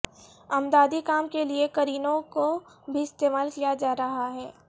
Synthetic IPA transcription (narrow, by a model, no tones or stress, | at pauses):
ɐmd̪aːd̪ikaːmkeliekɐɾiːnõko | bʱiɪst̪eːmaːlkijad͡ʒaːɾɐɦaɦɛː